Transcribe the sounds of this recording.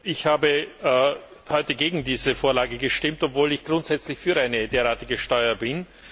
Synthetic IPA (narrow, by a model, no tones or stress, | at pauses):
ʔɪçhaːbə | hɔʏtəɡeːɡŋ̩diːzəfoːɐlaːɡəɡəʃtɪmtɔpvoːlɪçɡ̥ʁʊntz̥ɛt͡slɪçfyːɐʔaɪnədeːɐʁaːtɪɡəʃtɔʏɐbɪn